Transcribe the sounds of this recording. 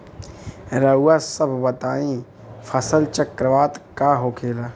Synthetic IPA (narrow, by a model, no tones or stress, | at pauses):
ɾəɦuːasəbʱbɐt̪aːĩ | fʰəsəlt͡ʃəkɾəʋaːt̪kaɦoːkʰeːlaː